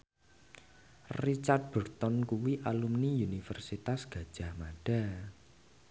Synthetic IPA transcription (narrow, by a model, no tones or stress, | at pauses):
rit͡ʃard̪̚b̥ərt̪ɔnkuwiʔalumniunifərsit̪asɡ̥a̤d̥ʒ̥a̤hmaɖ̥a